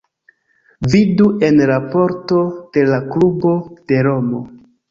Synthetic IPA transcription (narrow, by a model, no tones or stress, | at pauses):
vidue̞nɾapo̞ɾto̞d̥e̞laklubo̞d̥e̞ɾo̞mo̞